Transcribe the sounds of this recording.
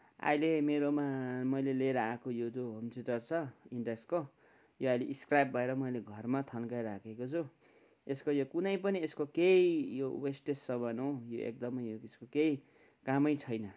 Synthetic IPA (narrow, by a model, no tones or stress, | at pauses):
a̰jlemeɾomamʌjleleɾʌakojod͡zoɦomsiʈʌrt͡sʰʌiɳɖeksko | joajleʔiskrajb̚bʱʌeɾʌmʌjleɡʱʌrmat̪ʰʌnkajɾakʰekot͡sʰu | eskojokunʌjp̬ʌnieskokeijowesʈesːʌbʌnojoʔḛk̚d̪ʌmʌjoeskokei | kamʌjt͡sʰʌjnʌ